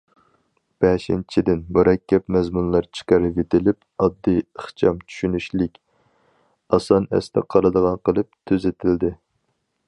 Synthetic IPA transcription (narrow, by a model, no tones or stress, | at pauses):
b̥ɛʃint͡ʃʰid̪ɪnmuɾɛkʲːɛpmɛzmunlˠɑɾt͡ʃʰɨ̥qɑɾɨvet̪ɪlɪp̚ | ɑd̪ːijəχt͡ʃʰɑmt͡ʃʰy̥ʃynyʃlɪkʲ | ɑsɑnɛ̰st̪ɛ̰qʰɑɾɨd̪əʁɑnqʰəlˠɨp̚t̪ʰøzɪt̪ʰɪld̪ɪ